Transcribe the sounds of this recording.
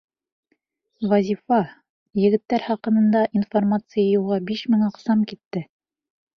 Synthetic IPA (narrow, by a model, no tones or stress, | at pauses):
vɐzʲifɑ | jɘ̆ɡɘ̆t̪ːæɾχɑqɤ̆nɤ̆nd̪ɑʔinformat̪sɨjajulˠʁɑbiʃmɘŋɑqsɑmkit̪ːɘ